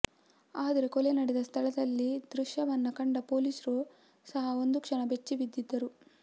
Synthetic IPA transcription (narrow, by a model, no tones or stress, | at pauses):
aːd̪ɐɾe̞kolenɐɽed̪ɐst̪ʰɐɭɐd̪ɐlːid̪ɾuʂjɐʋɐnːɐkɐɳɖɐpoːliːsɾu | sɐɦɐo̞nd̪ukʂɐɳɐbet͡ʃːiʋid̪ːid̪ːɐɾu